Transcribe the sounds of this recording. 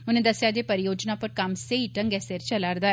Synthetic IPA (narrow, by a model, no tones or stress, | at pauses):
ʊnẽːd̪əsjad͡ʒ̪eːpəɾɪjoːd͡ʒnapəɾkɐmseiʈə̃ŋɡɛseɾt͡ʃəlaːɾd̪aː